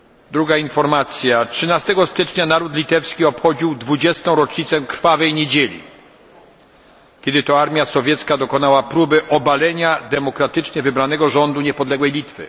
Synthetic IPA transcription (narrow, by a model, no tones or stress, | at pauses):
d̪ɾuɡainfɔɾmat̪sʲjatʂɘnast̪ɛɡɔst̪ɘt͡ʂɲanaɾut̪lʲit̪ɛfskʲiɔpxɔd͡ʑiwd̪vud͡ʑɛst̪ɔ̃w̃ɾɔt͡ʂɲit̪sɛkɾ̥favɛjɲed͡ʑelʲḭ | kʲɛd̪ɘt̪ɔaɾmʲjasɔvʲjɛt̪skad̪ɔkɔnawapɾubɘʔɔbalɛɲad̪ɛmɔkɾat̪ɘt͡ʂɲɛvɘbɾanɛɡɔʐɔnd̪uɲɛpɔd̪lɛɡwɛjlʲit̪fɘ̰